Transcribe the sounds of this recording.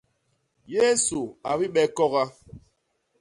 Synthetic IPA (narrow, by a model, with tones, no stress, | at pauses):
je˦su˨a˨bi˦ɓɛ˦kɔ˦ɣa˦